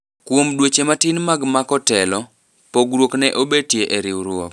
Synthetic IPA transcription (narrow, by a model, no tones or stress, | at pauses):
kwomdwot͡ʃematɪnmaɡmakɔtɛlɔ | poɡɾwoknɛʔobed̚tjeʔeɾɪwɾwok